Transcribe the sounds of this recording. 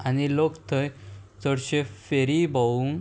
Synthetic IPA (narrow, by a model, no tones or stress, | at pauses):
añilokt̪ʰəjt͡səɽɕefeɾibauŋ